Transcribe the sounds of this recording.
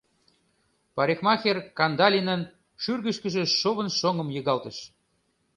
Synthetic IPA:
pɑɾʲexmɑxʲerkɑnd̪ɑlʲinə̆n | ʃyrɣə̆ʃkə̆ʒĕʃoβə̆nʃoŋə̆mjəɣɑlt̪ə̆ʃ

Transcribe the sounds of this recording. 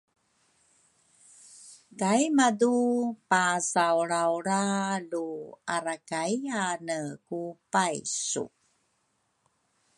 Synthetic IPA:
kajmadupasawɾawɾaluaɾakaianəkupajsṵ

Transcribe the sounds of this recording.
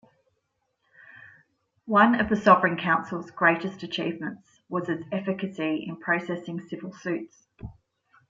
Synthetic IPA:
wʌ̃nəvðəsɒvɹɪ̃nkʰãʊ̃nsəlˠzɡɹeɪtəstət͡ʃʰiːvmə̃nts | wɒz̥ɪz̥ɛfɪkəsiɪ̰̃npʰɹ̥əʊsɛsɪ̃ŋsɪvəlˠsʉˑts

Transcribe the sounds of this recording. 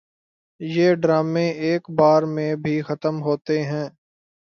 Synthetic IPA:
jeːɖɾaːmẽʔeːkbaːɾmẽbʱixət̪əmɦoːt̪eɦɛ̃ː

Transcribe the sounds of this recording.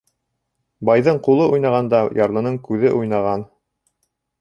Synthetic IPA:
bɑjðɤɴqulˠɤʔujnɑʁɑnd̪ɑjɑɾlˠɤ̆nɤɴkʉðɘʔujnɑʁɑn

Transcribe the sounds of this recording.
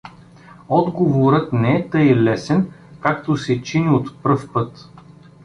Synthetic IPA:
ɔd̪ɡovoɾɤt̪nɛɛt̪ɤilɛsɛnkakt̪osɛt͡ʃinʲiot̪pɾɤfpɤt̪

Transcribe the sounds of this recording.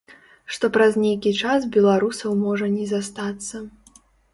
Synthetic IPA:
ʂt̪ɔpɾɐznʲejkʲit͡ʂas̬bʲɛlˠaɾusɐwmɔʐɐnʲɛzast̪at̪sːɐ

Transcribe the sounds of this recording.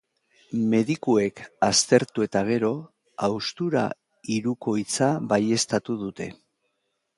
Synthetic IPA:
me̞ðikue̞kast̪e̞ɾt̪ue̞t̪aɣ̞e̞ɾo̞ | awst̪uɾa̰ | iɾuko̞jt͡saβaje̞st̪at̪uðut̪e̞̰

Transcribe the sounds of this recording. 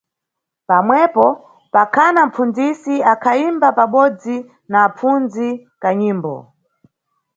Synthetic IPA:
pamwɛpɔ | pakʰanam̩pund͡zisiakʰaimbapaɓɔd͡zi | naːp͡fund͡zikaɲiːmbɔ̰

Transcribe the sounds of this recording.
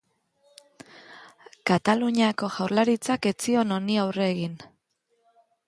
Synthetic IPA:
kat̪aluɲako̞ʝawɾlaɾit͡sake̞t͡sio̞no̞niawre̞ɣin

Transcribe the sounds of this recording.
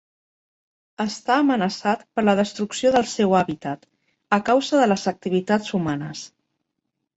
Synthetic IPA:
əst̪aəmənəsat̪pəɾləðəst̪ɾuksioðəlˠsɛwaβit̪ət̪ | əkawzəðələzək̚t̪iβ̞it̪ad͡zumanəs

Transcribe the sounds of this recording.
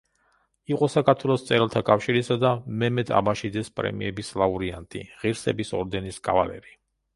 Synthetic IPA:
iqʼɔsakʰaɾt̪ʰwɛlˠɔst̪sʼɛɾɛlˠt̪ʰakʼafʃiɾisad̪amɛmɛd̪ʰa̰baʃid̪zɛspʼɾɛ̰mḭɛbislˠauɾiant̪ʼḭʁiɾsɛ̰bisɔɾd̪ɛniskʼa̰valɛ̰ɾi

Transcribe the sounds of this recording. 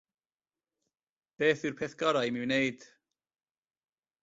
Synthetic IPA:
b̥eːθɨrpʰɛθɡ̥ɔɾajmɪwnejd̥

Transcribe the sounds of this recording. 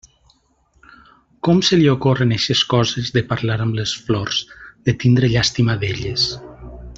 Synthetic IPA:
kɔmseliokoreneʃeskɔzezðepaɾlaɾəmlesflɔrz̥d̪̥et̪ind̪ɾeʎast̪imaðeʎes

